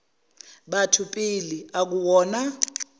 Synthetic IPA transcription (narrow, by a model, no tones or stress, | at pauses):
ɓatʰupʼiliak̬uwɔːna